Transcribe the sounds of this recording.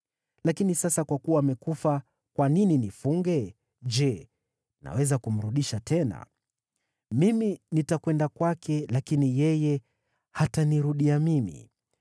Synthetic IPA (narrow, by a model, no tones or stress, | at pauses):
lakinisasakwakuwaːmɛkufa | kwanininifuŋɡɛ | d͡ʒɛ | na̰wɛzakum̩ɾuɗiʃatɛna̰ | miminitakwɛndakwakʰɛlakinijɛjɛ | hataniɾuɗiamimḭ